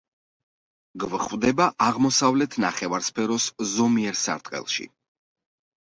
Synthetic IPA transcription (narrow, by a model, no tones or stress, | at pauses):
ɡvχvd̪ɛbaʔaʁmɔsavlɛt̪ʰnaχɛvaɾspʰɛɾɔszɔmiɛɾsa̰ɾt̪ʼqʼɛ̰lˠʃḭ